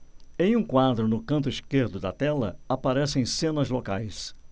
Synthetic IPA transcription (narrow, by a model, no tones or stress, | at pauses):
ẽj̃ũkwad̪ɾʊnʊkɐ̃nt̪ʊiskeɾd̪ʊd̪ɐt̪ɛlɐ̰apaɾɛsẽj̃sẽnɐzlokajs